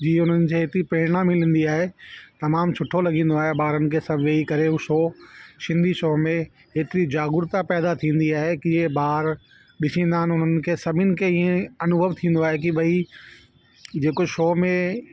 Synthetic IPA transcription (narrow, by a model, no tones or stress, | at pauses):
d͡ʑiːʊn̤ənɪ̆kʰeːɦeːt̪ɾipɾeːɽ̃amɪlə̃n̆d̪iaːɦet̪ɐmaːmsʰʊʈʰolɐɡĩːn̆d̪oaːɦeɓaːɾənɪ̆kʰeːsɐbʱʋeːikɐɾeuʃoːʃɪ̃nd̪ʱiʃoːmẽ | ɦeːt̪ɪɾid͡ʑaːɡʊɾt̪apɛːd̪at̪ʰĩːn̆d̪iaːɦekiẽbaːɾ | ɗɪsĩːnd̪aːɦənɪʊn̤ənɪ̆kʰeːsɐbʱɪnɪ̆kʰeiːẽɐnʊbʱəʋt̪ʰĩːn̆d̪oaːɦek̬ibɐi | d͡ʑeːkoʃoːmẽ